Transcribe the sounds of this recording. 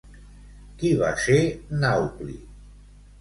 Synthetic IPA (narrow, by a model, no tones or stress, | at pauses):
kiβa̰senawklḭ